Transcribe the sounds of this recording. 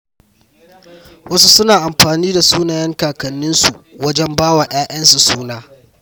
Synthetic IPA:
wɐ˦su˦sʊ˦naː˨ʔa˨mɸaː˨niː˦da˨suː˦naː˨jɐ˦ŋkaː˨kɐ˨nːɪ˦nsu˨wɐ˦d͡ʒɛ˦mbaː˦waː˨j̰aː˦ʔɐ˦nsu˨suː˦naː˦

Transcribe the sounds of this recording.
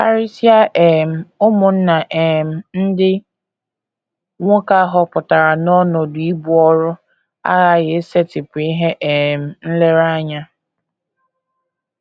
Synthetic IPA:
fa˨ɾi˦si˦a˦ʔe˨m̩˨ʊ˦mʊ˨n̩˦na˨ʔe˨m̩˨n̩˦dɪ˦ | ŋʷʊ˦ka˦ɦɔ˦pʊ˨ta˨ɾa˨nɔ˦nɔ˨di˦bu˦ɔ˦ɾʊ˦ | a̰˦ɣa˦ɣe˨˦se˦tɪ˨pʊ˨i˦ɦe˦ʔe˨m̩˨n̩˦le˦ɾa˦ɲa˦

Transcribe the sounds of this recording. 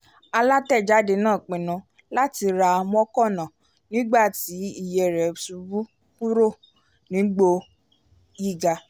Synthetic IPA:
a˧la˦tɛ˦˨d͡ʒa˦de˧nãː˦˨k͡pĩ˨nã˨˧ | la˦ti˧ɾa˧m˦ɔ˦kɔ˦˨nã˨ | nĩ˨˦ɡ͡ba˦˨ti˨˦i˦˨jɛ˨ɾɛ˨su˧bu˦ | ku˦ɾo˦˨ | nĩ˨˦ɡ͡bo˧ | ji˦˨ɡa˧

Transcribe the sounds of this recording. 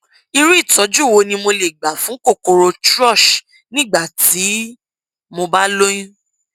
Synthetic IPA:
i˧ɾu˦i˦˨tɔ˨˦d͡ʒu˦˨wo˧nĩ˧mo˧le˨ɡ͡ba˨fũ˨˦ko˦˨ko˧ɾo˧tɾɔ˦˨ʃ | nĩ˦˨ɡ͡ba˦˨ti˨˦ | mo˧ba˦lo˦j̃ĩ˦

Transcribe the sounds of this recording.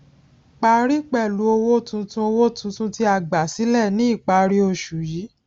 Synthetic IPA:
k͡pa˧ɾi˦k͡pɛ˦˨lu˨˧˦o˧wo˦tũ˧tũ˦o˧wo˦˨tũ˧tũ˦ti˦a˧ɡ͡ba˨si˨˦lɛ˦˨nĩ˦i˦˨k͡pa˧ɾi˦o˧ʃu˨ji˨˦

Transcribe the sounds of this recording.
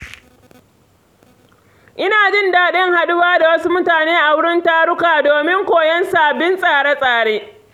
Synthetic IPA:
ʔɪ˦naː˨d͡ʒɪ˦ndaː˨ɗɪ˦ŋha˨ɗʊ˦baː˦da˨wɐ˦su˦mʊ˦taː˨neː˦ʔa˨wʊ˦ɽɪ˦ntaː˦ɽʊ˦kaː˨doː˨mɪ˦ŋkʷoː˨jɛ˦nsaː˨bɪ˦nsʼaː˨ɽe˦sʼaː˨ɽeː˦

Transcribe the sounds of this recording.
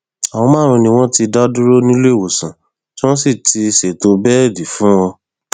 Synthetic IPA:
a˨ɔ̃˧mãː˦˨ɾ̃ũ˧nĩ˧w̃ɔ̃˦ti˧da˦du˦ɾo˦nĩ˦le˦˨wo˨sã˨ | ti˦w̃ɔ̃˦si˦˨tʰi˧ʃe˨to˧bɛ˦˨di˨fũ˦wɔ˧

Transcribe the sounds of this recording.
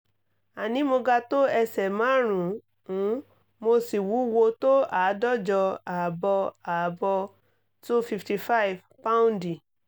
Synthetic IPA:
a˨nĩ˨˦mo˧ɡa˧to˦ɛ˧sɛ˨mã˨˦˨ɾ̃ũ˨ | ũ˨˦ | mo˧si˨wu˨˦wo˧to˦a˨˦dɔ˦˨d͡ʒɔ˧a˨bɔ˧a˨bɔ˧ | tu˦fi˧fti˧fa˦i˨v | pa˦ũ˦ndĩ˨

